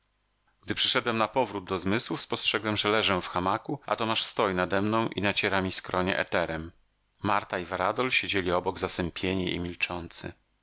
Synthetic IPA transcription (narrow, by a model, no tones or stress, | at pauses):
ɡ̥̚d̪ɘpʂɘ̥ʂɛd̪wɛmnapɔvɾud̪̚d̪ɔzmɘswufspɔstʂɛɡwɛmʐɛlɛʐɛfxamakuʔa̰t̪ɔmaʂst̪ɔjnad̪ɛmnɔ̃w̃ʔinat͡ɕɛɾamʲiskɾɔɲɛ̰ʔɛ̰t̪ɛɾɛmː | aɾt̪aivaɾad̪ɔlɕed͡ʑelʲiɔbɔɡzasɛmpʲjeɲɛʔḭmʲilt͡ʂɔnt̪sɘ̰